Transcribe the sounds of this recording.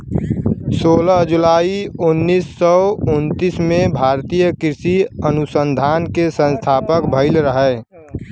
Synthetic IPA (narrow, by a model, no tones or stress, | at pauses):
soːlɦd͡ʒulaːiʊnːiːsːɔʊnt̪ismẽbʱaːɾt̪ijəkɾɪsiənusənd̪ʱaːnkesə̃nst̪ʰaːpəkbʱəɪlɾəɦɛ